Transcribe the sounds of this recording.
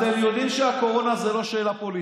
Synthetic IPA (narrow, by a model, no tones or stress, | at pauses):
t̪emjo̞d̪imʃeako̞ʁo̞nazelo̞ʃe̞ːlapoli